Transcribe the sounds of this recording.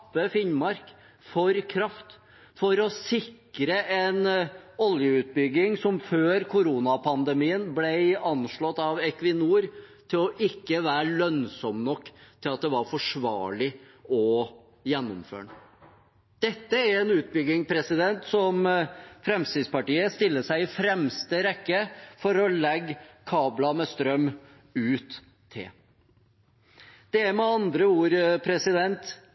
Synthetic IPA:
pːəfɪnmɑɾk | fɔɾkʰɾɑft̪ | fɔɾɔsɪkɾəʔɛnɔljəʉːt̪̚bʏɡɪŋsɔmføːɾkʰʊɾuːnɑpʰɑnd̪əmiːənblæɪɑnʂɭɔt̪ːɑʋɛkʋɪnuːəɾ | t̪ʰɪlɔʔɪkːəʋæːɾɭœnsɔmnɔkːt̪ʰɪlɑt̪̚d̪ɛʋɑɾfɔʂʋɑ̰ːɭɪ | ɔ | jɛnːɔmfø̰ːɳə | d̪̥ɛt̪ːəæɾɛnʉːt̪̚bʏɡɪŋpʰɾɛsɪd̪ɛnt̪sɔmfɾɛmst̪id̪spɑʈiːəst̪ɪlːəsæɪɪfɾɛmst̪əɾɛkːəfɔɾɔlɛɡkʰɑːblɑmɛst̪ɾœm | ʉːt̪ʰː | ɪ̰l | d̪̥ɛæɾmɛɑnd̪ɾəuːɾpʰɾɛsɪd̪ɛnt̪

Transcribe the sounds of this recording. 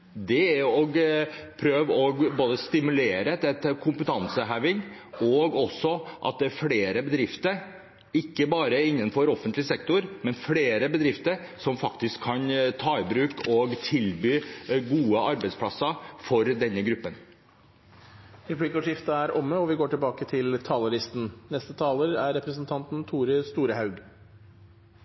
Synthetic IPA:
d̪ɛæɾɔɡpʰɾøːʋɔɡboːd̪əst̪ɪmʉleːɾəd̪ɛt̪ːəkʰʊmpət̪ʰɑnsəɦæʋɪŋ | ɔɡɔsːɔʔɑ̰t̪̚d̪ɛæɾfɽeːɾəbəd̪ɾɪft̪əɾ | ɪkːəbɑːɾəɪnːənfɔɾɔfənt̪lɪsɛk̚t̪ʊɾmɛnfɽeːɾəbəd̪ɾɪft̪əɾsɔmfɑkt̪ɪskʰːɑnt̪ʰɑːɪbɾʉːkʰɔɡt̪ʰɪlbyːɡuːəɑɾbɛɪspʰlɑsɑfɔɾd̪ɛnːəɡɾʉpːən | ɾɛpʰliːkɔʂjɪft̪əæɾɔmːəɔʋɪɡoːʈɪlbɑːkət̪ʰɪlt̪ʰɑːləɾɪst̪n̩nɛst̪ət̪ʰɑːləɾæɾːɛpɾəsənt̪ʰɑnt̪n̩t̪ʰuːɾəst̪uːɾəhɑʉɡ

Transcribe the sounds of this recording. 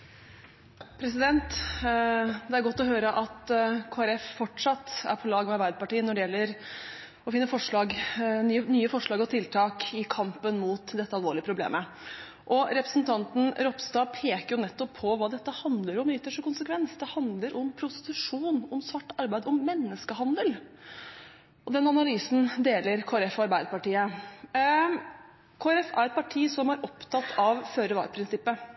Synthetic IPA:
pʰɾɛsɪd̪ɛnt̪ | d̪ɛæɾɡɔt̪ːɔɦøːɾəʔɑt̪kʰoːæɾɛffɔʈʂɑt̪ːæ̰ɾpʰɔlɑːɡmɛɑɾʋbæɪd̪əpɑʈiːənɔɖɛjɛlːəɾ | ɔfɪnːəfɔʂɭɑːɡ̪ | nyːəfɔʂɭɑːɡɔt̪ʰɪlt̪ʰɑːkɪkʰɑmpənmuːt̪d̪ɛt̪ːəɑlʋoːɭɪəpʰɾʊblḛːmə | ʔɔɾɛpɾəsn̩t̪ʰɑnt̪n̩ɾɔpst̪ɑːpʰeːkəɾjʊnɛt̪ːɔpʰːɔʋɑːd̪ɛt̪ːəhɑnd̪ləɾɔmɪt̪ːəʂəkʊnsəkʰʋɛnsd̪ɛhɑnd̪ləɾʔɔmpʰɾʊst̪ɪ̥t̪ʉʂuːnɔmsʋɑʈːɑɾbæɪd̪ɔmːɛnːəskəɦɑnd̪əl | ɔd̪ɛnɑnɑlyːsn̩d̪eːləɾkʰoːɾɛfɔɑɾbæɪd̪əpɑʈiːə | kʰoːæɾɛfæ̰ɾɛt̪̚pɑʈʰiːsɔmæɾʔɔpt̪ʰɑt̪ːɑʋføːɾəʋɑ̰ːɾpʰɾɪnsɪpːə

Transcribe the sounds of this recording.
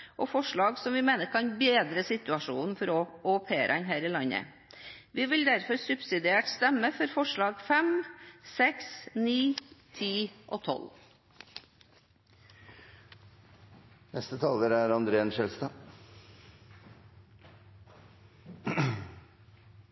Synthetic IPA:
ʔɔːfɔʂɭɑːɡsɔmʋɪmeːnəɾkʰɑnbeːd̪ɾəsɪt̪ʉɑʂuːnn̩fɔɾɔɔpʰeːɾəɛnɦæːɾɪlɑɲə̰ | ʋɪʋɪld̪æɾfɔɾsʉbsɪd̪ɪeːʈst̪ɛməfɔɾfɔʂɭɑːɡfɛmsɛksniːt̪ʰiːʔo̰ːt̪ʰɔ̰l | nɛst̪ət̪ʰɑːləɾæɾɑnd̪ɾeːənʃɛlst̪ɑ

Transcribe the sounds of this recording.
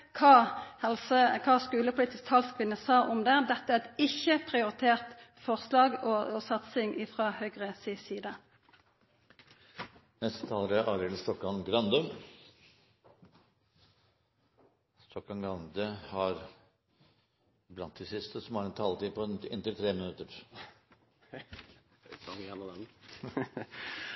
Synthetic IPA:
kʰɑːhɛlsəkʰɑːskʉːləpʰʊliːt̪ɪst̪hɑlskʰʋɪnːəsɑːɔmd̪ɛːd̪ɛt̪ːəæɛt̪ɪçːəpʰʁɪʊɾɪt̪ʰeːʁt̪ | fɔʁslɑːɡɔɔsɑt̪sɪŋɪːfʁɑːhœɡʁəsisiːd̪ə | nɛst̪ət̪ʰɑːləɾəʔɑːɾɛləst̪ɔkhɔlmɡɾɑnd̪ʉm | st̪ʰɔkːɔɡɑnd̪əhɑɾ | blɑnt̪̚d̪ɪsɪst̪əsɔmhɑɾɛnt̪ʰɑːlt̪iːpʰɔɪ̰nt̪ɪlt̪ʰɾeːmɪnʉt̪əɾ | ɑjænɔd̪ɛn

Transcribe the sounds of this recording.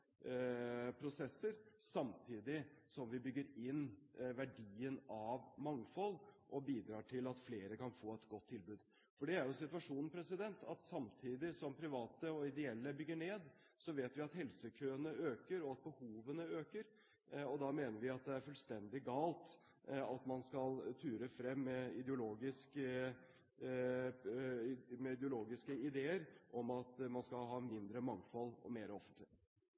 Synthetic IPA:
pʰɾʊsɛsːəɾsɑmt̪ʰiːd̪ɪsɔmʋɪbʏɡːəɾɪnːʋæɖiːənɑʋmɑŋfɔlːʔɔbiːd̪ɾɑːʈʰɪlɑt̪fleːɾəkɑnfoːɛt̪ɡɔt̪ʰːɪlbʉːd̪ | fɔɖɛæɾjʊsɪt̪ʉʋɑʂuːnn̩pʰɾɛsɪd̪ɛnt̪ʰɑ̰t̪sɑmt̪ʰiːd̪ɪsɔmpʰɾɪʋɑːt̪əɔɪd̪ɛɛlːəbʏɡːəɳeːd̪ | sɔʋeːt̪ʋɪɑt̪hɛlsəkʰøːənəøːkəɾɔɑt̪̚bəhuːʋənəøːkəɾ | ɔd̪ɑmeːnəɾʋɪɑt̪̚d̪ɛæɾfʉlst̪ɛnd̪ɪɡɑːlt̪ | ɑt̪mɑnskɑlt̪ʰyːɾəfɾɛmːɛɪd̪ɛʊloːɡɪskə | mɛɪd̪əʊloːɡɪskəɪd̪eːəɾʔɔmɑt̪mɑnskɑlɦɑːmɪnd̪ɾəmɑŋfɔlːɔ̰meːɾəɔfənt̪lɪ

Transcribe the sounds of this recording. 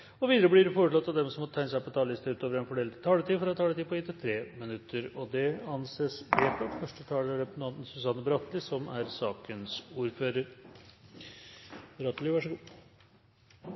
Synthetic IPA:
ɔʋiːd̪əɾəb̪ɪɾfoːɾəʈɭɑt̪ːɑd̪ɛmsɔmɔt̪ʰæɪnəsæɪpʰɔt̪ʰɑːlɪst̪əʉːt̪oːʋəɾɛnfɔɖɛːlt̪t̪ʰɑːlət̪ʰiːfɔɾɑt̪ʰːɑːlət̪iːpɔɪt̪ːət̪ʰɾeːmənʉt̪ʰːəɾɔd̪ɛɑnseːsbɛt̪ɑtfœʂʈət̪ʰɑːləæɖɛnɑnnsʉsɑnːəbɾɑt̪lɪsɔmæɾsɑːkənsuːɾføːɾəɾ | bɾɑt̪ːlɪʋɑʂəɡuː

